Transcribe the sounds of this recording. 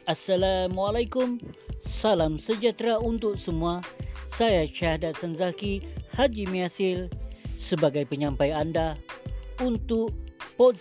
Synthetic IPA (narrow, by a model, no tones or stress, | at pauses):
asːalamualajkʊmsalamsəd͡ʒat̪ɾaunt̪ʊk̚səmuasajat͡ʃahadat̪̚sanzakihad͡ʒimiasɪlsəbaɡajpəɲãmpajanda | unt̪ʊʔpo